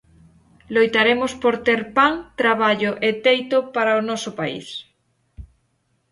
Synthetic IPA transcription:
lojt̪aɾemospoɾt̪eɾpaŋt̪ɾaβ̞aʎoʔet̪ejt̪opaɾaonɔsopaḭs

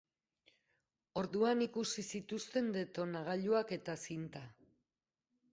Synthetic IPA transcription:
o̞ɾðuanikusisit̪ust̪e̞nd̪e̞t̪o̞naɣ̞aʎuake̞t̪asint̪a

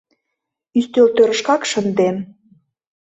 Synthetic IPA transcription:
yst̪ølt̪øɾə̆ʃkɑkʃənd̪em

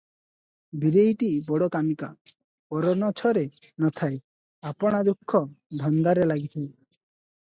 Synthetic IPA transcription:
biɾejʈibɔɽɔkamika̰ | pɔɾɔnɔt͡ʃʰɔɾe | nɔt̪ʰaj | apɔɽ̃ad̪ukʰːɔd̪ʱɔnd̪aɾelaɡit̪ʰaj

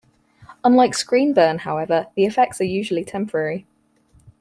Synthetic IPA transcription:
ə̃nlaɪkskɹĩːnbɜːnhaʊɛvəðiɪfɛk̚tsəjʉːʒəlitʰɛ̃mpʰəɹɛɹi

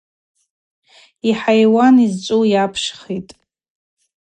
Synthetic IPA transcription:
iħajwanizt͡ʃʷʼuwjapʰʂχitʼ

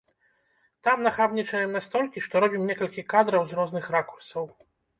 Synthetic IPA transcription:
t̪amnaxabnʲit͡ʂɐjɛmnast̪ɔlʲkʲiʂt̪ɔɾɔbʲimnʲɛkɐlʲkʲikad̪ɾɐwzrɔzn̪ɨxrakursɐw

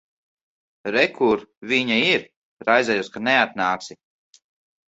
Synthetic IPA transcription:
ɾɛkʰuɾviɲaiɾ | ɾajzɛjuskaneat̪̚naːksi

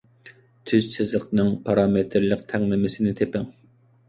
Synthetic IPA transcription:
t̪ʰyzt͡ʃʰɪzləqnɨŋpʰɑɾɑmet̪ʰɾlˠəqt̪ʰɛŋlɪmɪsɪnɪt̪ʰepɪŋ

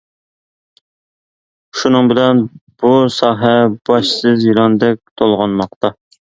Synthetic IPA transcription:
ʃunɨŋbɪlɛnb̥usɑːɦɛb̥ɑʃsɨzjilˠɑnd̪ɛk̚ʲt̪ʰolˠʁɑnmɑqt̪ɑ

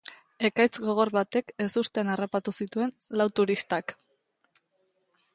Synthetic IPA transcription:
e̞kajt͡sɡo̞ɣ̞o̞rβat̪e̞ke̞sust̪enarapat̪usit̪ue̞n | lawt̪uɾist̪ak

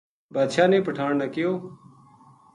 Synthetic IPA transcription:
baːd̪ʃaːnẽːpəʈʰaːɳnakɪjoː

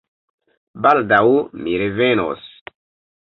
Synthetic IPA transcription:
baldawmiɾeveno̰s

